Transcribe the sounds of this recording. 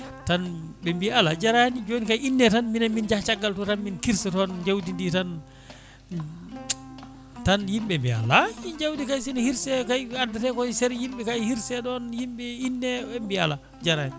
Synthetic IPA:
tan | ɓɛmbialad͡ʒaɾaanid͡ʒonikajinːɛtanminamind͡ʒat͡ʃaɡːaltɔtanminkiɾsatɔnd͡ʒawdinditan | tanjimɓɛmbia̰laind͡ʒawdikajsinahiɾsɛkajadːatɛkɔsɛɾjimɓɛkajhiɾsɛɗɔnjimɓɛinːɛɛmbia̰la | d͡ʒaɾaan

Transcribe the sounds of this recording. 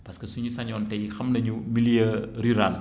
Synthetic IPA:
pɐskɐsuɲusaɲɔntɛjxɐmnɐɲumilijəɾyɾal

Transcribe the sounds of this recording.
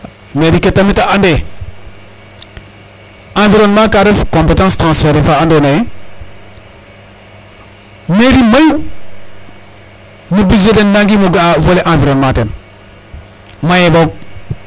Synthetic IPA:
meɾiketːamitaande | ãviɾonmakaɾefkõmpetãstɾãːsfeɾefaandone | meɾimaju | mibid͡ʒedendãŋɡimoɡavoleʔãviɾonmaten | majeboɡ̚

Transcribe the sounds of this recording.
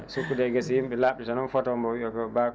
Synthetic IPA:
sukːudɛjɡasijimɓɛlaɓditanɔnfɔtɔmbɔwiɔkɔbak

